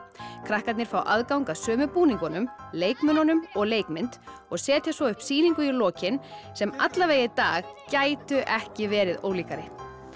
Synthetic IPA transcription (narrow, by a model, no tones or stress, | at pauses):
kʰɾahkat̪nɪɾ̥fawʔaðkawŋkasœːmʏpuːniŋkɔnʏmleːjkmʏnanʏmɔɣleːjkmɪnt̪ | ɔɣsɛːt̪jasvɔʏhpsiːniŋkʏilɔːcɪnsɛmat̪laveːjɪt̪aːɣcaːjt̪ʏʔɛhcɪvɛːɾɪðo̰ːwliːkaɾɪ